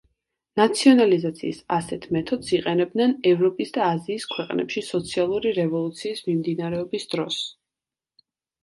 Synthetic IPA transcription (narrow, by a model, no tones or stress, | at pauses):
nat̪sʰiɔnalizat̪sʰḭːsa̰sɛt̪ʰmɛt̪ʰɔd̪̥siqʼɛnɛbd̪nɛnɛvɾɔpʼisd̪aːziːskʰwɛqʼnɛ̰pʃisɔt̪sʰialˠuɾiɾɛvɔlˠut̪sʰiːsmimd̪inaɾɛɔbisd̪ɾɔs